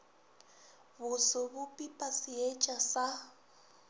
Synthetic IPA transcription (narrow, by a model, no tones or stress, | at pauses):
bʊsʊbʊpʼipʼasɪet͡ʃʼasa